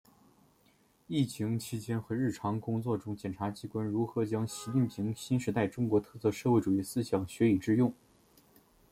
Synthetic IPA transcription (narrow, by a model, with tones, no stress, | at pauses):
i˥˩t͡ɕʰi˧˥ŋt͡ɕʰi˥t͡ɕjɛ˥nxɤ˧˥ɻɻ̩˥˩ʈ͡ʂʰɑ˧˥ŋkʊ˥ŋt͡swɔ˥˩ʈ͡ʂʊ˥ŋt͡ɕjɛ˨˩nʈ͡ʂʰa˧˥t͡ɕi˧˥kwa˥nɻu˧˥xɤ˧˥t͡ɕjɑ˥ŋɕi˧˥t͡ɕi˥˩npʰi˧˥ŋɕi˥nʂɻ̩˧˥t̪a˥˩ɪʈ͡ʂʊ˥ŋkwɔ˧˥t̪ʰɤ˥˧sɤ˥˧ʂɤ˥˧xwe˥˩ʈ͡ʂu˨˩i˥˩sɹ̩˥ɕjɑ˨˩ŋɕɥɛ˧˥i˨˩ʈ͡ʂɻ̩˥˧jʊ˥˩ŋ